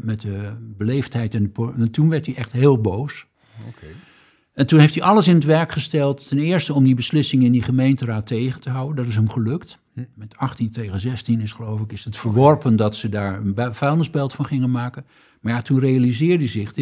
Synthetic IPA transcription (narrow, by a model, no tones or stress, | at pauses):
mɛtəbəlejftɦɛjtɛndəpotunʋɛɹtiʔɛχtɦɪːlˠbows | o | ɛntunɦeftiʔɑləs̬ɪnətʋɛɹkχəstɛlˠtːɛnɪːɹstəɔmdibəslɪsɪŋɪndiχəmejntəraːtʰejχəntəɦʌwəndɑtɪs̬ɦəmχəlɵkt | mɛtɑχtintejχənzɛstinɪsχəlowfɪkɪsətfəɹʋɔɹpəndɑtsədaːɹənbfɛjndəzbɛlˠtfɑnχɪŋənmaːkən | maɹjatunrejalizɪːɹdizɪχ